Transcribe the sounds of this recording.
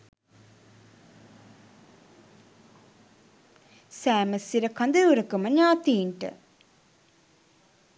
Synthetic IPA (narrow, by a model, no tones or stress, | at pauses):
sæːməsiɾəkand̪ɐuɾəkuməɲaːt̪iːɳʈə̰